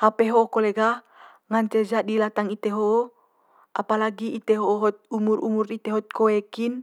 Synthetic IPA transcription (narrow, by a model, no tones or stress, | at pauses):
hapeɦoʔokoleɡa | ŋaɲt͡ʃed͡ʒadilat̪aŋit̪eɦoʔo | ʔapalaɡiit̪eɦoʔoɦɔt̪̚umurṵmurit̪eɦɔt̪̚koekin